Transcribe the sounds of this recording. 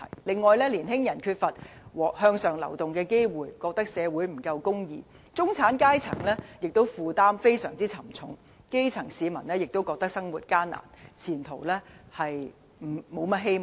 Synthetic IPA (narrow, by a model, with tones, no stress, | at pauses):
jlɪ˨ŋːɔː˨˧jlɛː˥liː˨˩nɦɪ˥ŋjɐ˨˩nkʰyː˧t̚fɐ˨t̚wɔː˨k̚hœː˧ŋsœː˨ŋlɐ̰˨˩wt̪ʊ˨ŋkɛː˧ke˥jwuː˨jkɔː˧k̚t̪ɐ˥k̚sɛː˨˧wuː˨˥jm̩˨˩kɐ˧wkʊ˥ŋjiː˨˧ | t͡sʊ˥ŋt͡sʰaː˨˥nkaː˥jt͡sʰɐ˨˩ŋlɛː˥jɪ˨k̚t̪o˥wfuː˨t̪aː˥mfe˥jsœː˨˩ŋt͡siː˥t͡sʰɐ˨˩mt͡sʰʊ˨˥ŋ | ke˥jt͡sʰɐ˨˩ŋsiː˨˧mɐ˨˩nlɛː˥jɪ˨k̚t̪o˥wkɔː˧k̚t̪ɐ˥k̚sɐ˥ŋwuː˨˩t̚kaː˥nːa̰ː˨˩nt͡sʰiː˨˩nt̪ʰo˨˩wlɛː˥hɐ˨j | m̩˨˩mo˨˧wmɐ˥t̚ɦe˥j